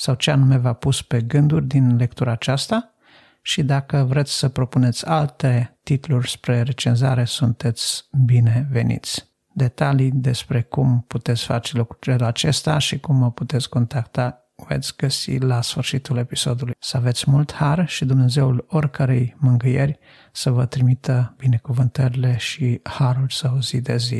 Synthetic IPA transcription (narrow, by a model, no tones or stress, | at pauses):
sawt͡ʃeanume̞vapuspe̞ɡɨnd̪urʲd̪inle̞kt̪uɾaːt͡ʃast̪a | ʃid̪akəvɾe̞t̪sʲsəpɾo̞pune̞t̪sʲalt̪e̞t̪it̪lurʲspɾe̞ɾe̞t͡ʃenzaɾe̞sunt̪e̞t̪sʲbine̞ve̞nḭt̪sʲ | d̪e̞t̪alid̪e̞spɾe̞kumput̪e̞t̪sʲfat͡ʃelukɾut͡ʃelat͡ʃest̪aʃikumːəput̪e̞t̪sʲko̞nt̪akt̪a | vḛt̪sʲɡ̥əsḭlasfɨrʃit̪ule̞piso̞d̪ulujsəavet̪sʲmult̪harʃid̪umne̞ze̞ulorkəɾejmɨŋɡɨjerʲ | səvət̪ɾimit̪əbine̞kuvɨnt̪əɾile̞ʃihaɾulʲsəuzid̪ezḭ